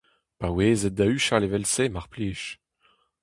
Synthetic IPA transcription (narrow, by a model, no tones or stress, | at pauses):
paweːzɛt̪̚d̪ayʃalevɛlsemaʁpleːʃ